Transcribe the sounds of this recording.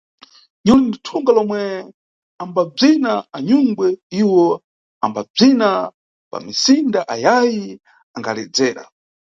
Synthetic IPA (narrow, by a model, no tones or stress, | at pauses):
ɲɔlinditʰuŋɡalɔmwɛ | ambab͡ʐinaaɲuŋɡwɛiwɔ | ambab͡ʐina | pa̰misindaʔajaji | aŋɡalɛ̰d͡zɛːɾa̰